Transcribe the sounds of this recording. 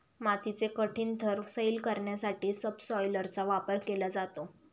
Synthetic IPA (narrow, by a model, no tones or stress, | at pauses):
mat̪it͡sekəʈʰiːnt̪ʰəɾsəilkəɾɳjasaʈiːsəbsɔjləɾt͡saʋapəɾkelad͡zat̪o